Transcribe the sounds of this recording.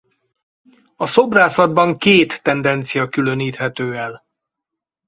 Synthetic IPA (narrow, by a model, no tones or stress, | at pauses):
ɒso̞braːsɒd̪bɒŋkeːt̪ːɛnd̪ɛnt̪sijɒkylø̞niːt̪hɛt̪øːɛl